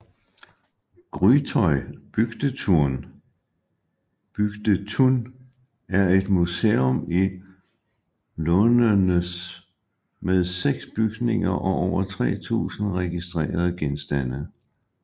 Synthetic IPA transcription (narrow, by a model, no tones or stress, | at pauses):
ɡ̥ʁyt͡sʰɒɪb̥yɡ̥d̥ət͡sʰuɐ̰n | b̥yɡ̥d̥ət͡sʰun | æɐe̝d̥museːɔmi | lɔnənəs | með̞ˠseɡ̥sb̥yɡ̥ne̝ŋɐʔɒ̽ʔɒʊɐt͡sʰʁɛ̰ːt͡sʰṵːsn̩ʁɛɡ̥isd̥ʁɛ̰ːɐð̞ˠɡ̥ensd̥æn̰ə